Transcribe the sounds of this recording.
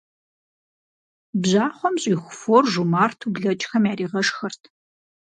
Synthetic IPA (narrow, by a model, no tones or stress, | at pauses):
bʑaːχʷɔmɕʼiːxʷʊfoːrʒumaːrtʰubɮɐt͡ʃʼxɐmjaːɾiːʁɐʂxɐrtʰ